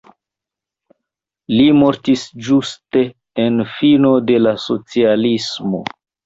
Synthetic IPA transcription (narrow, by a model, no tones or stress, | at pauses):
limo̞ɾtisd͡ʒuste̞ː | nfino̞de̞laso̞t͡sialismo̞̰